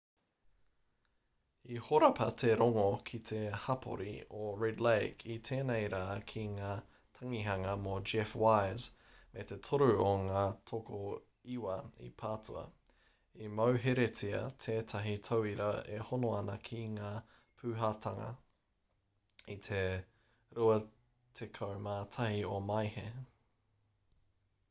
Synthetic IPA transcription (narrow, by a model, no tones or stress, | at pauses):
ihoɾɐpʰɐtʰeɾoŋokʰit̪ʰehɐpʰo̰ɾḭoɹɛdlejkʰit̪ʰeːnejɾaːkʰiŋaː | tʰɐŋiɦɐŋɐmod͡ʒɛfwajzmʔet̪e̞tʰoɾʉoŋaːtʰoko | iwɐḭpʰaːtuɐ̰ | imɐwɦeɾet͡siɐ̰tʰeːtʰɐɦitʰowiɾɐḛhonoɐnɐkʰiŋaː | pʰʉːɦatʰɐŋɐ̰ | it̪ʰe | ɾuɐ | tʰekʰowmaːtʰɐhiomɐjhe